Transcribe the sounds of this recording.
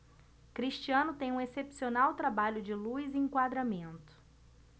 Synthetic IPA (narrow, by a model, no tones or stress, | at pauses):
kɾiʃt͡ʃiɐ̃nʊt̪ẽj̃ũesepsionawt̪ɾabaʎʊd͡ʒɪluiziĩŋkwad̪ɾamẽnt̪ʊ̥